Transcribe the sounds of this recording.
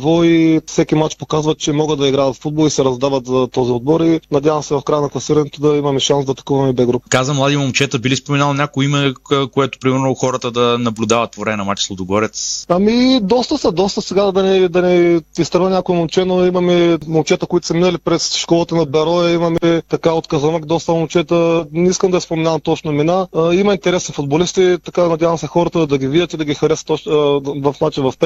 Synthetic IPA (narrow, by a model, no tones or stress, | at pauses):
vɔifsɛkʲimat͡ʃpokazvɐt̪̚t͡ʃɛmɔɡəd̪ɐiɡɾavɐt̪ffud̪̚bolˠisɛɾɐzd̪avɐt̪zɐt̪ːɔziɔd̪bɔɾinɐd̪ʲjavɐmsɛvɐfkɾajənɐklˠɐsiɾɐnɛt̪od̪ɐimɐmɛʃansd̪ɐt̪ɐ̥kuvɐmɛbɛɡɾupkazəmlˠad̪imomt͡ʃɛt̪əbilispomɛnalˠnʲakoimɛkoɛt̪ʊ̥pɾimɛɾnoxɔɾət̪əd̪ɐnɐblʲud̪avɐt̪̚povɾɛmɛnɐmat͡ʃsˠod̪oɡɔɾɛt̪sɐmid̪ɔst̪əsɐd̪ɔst̪əsɛɡad̪ɐnɛd̪ɐnɛist̪ɾɐvənʲakʊɛmɐlˠt͡ʃɛnoimɐmɛmɐlˠt͡ʃɛt̪əkoit̪ʊ̥sɐminɐlipɾɛsʃkɔlˠɐt̪ənɐbɛɾɔɛimɐmɛt̪ɐkaot̪kɐzɐnəkd̪ɔst̪əmɐlˠt͡ʃɛt̪ənɛiskəmd̪ɐɛspomɛnavɐmt̪ɔt͡ʃnʊminaimɐint̪ɛɾɛsnifʊd̪bolist̪it̪ɐkanɐd̪ʲjavɐmsɛxɔɾət̪əd̪ɐɡʲivid̪ʲət̪id̪ɐɡʲixɐɾɛsət̪ɔt͡ʃvɐfnat͡ʃinvɐfpɛ